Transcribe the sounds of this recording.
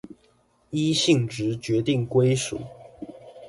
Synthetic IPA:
i˥ɕi˥˨ŋʈ͡ʂɻ̩˨˥˦t͡ɕɥɛ˨˧˥t̪i˥˨ŋkwe˥ɪʂṵ˨˩˦

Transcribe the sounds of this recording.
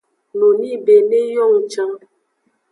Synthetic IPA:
no˨ni˦be˨ne˦jɔ˦˨ŋ̩˨t͡ʃã˦

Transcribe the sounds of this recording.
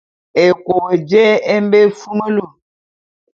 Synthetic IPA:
e˨ko˨we˨d͡ʒɛ˦e˦m˦be˦fu˦mə˦lu˦˨

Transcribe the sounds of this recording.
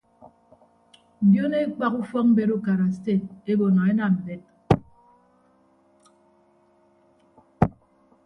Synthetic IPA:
m̩˨bjo˦ne˦k͡pa˦ku˦fɔ˦m̩˦be˦ɾo˦ka˨ɾa˨se˦˨e˦bo˨na˨e˦na˨m̩˨be˦t̚

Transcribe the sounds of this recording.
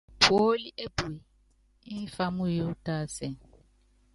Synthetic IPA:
pʰo˦li˦ʔe˦bu˨e˨ | i˦fa˦mu˦jo˦ta˦sɛ˨

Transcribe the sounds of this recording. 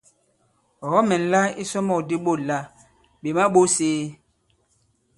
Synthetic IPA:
ɔ˨ɔ˦mɛ˨n̩˨la˦i˦sɔ˦mɔ˦˨di˦ɓo˦˨la˦ | ɓe˨ma˦ɓo˦seː˦

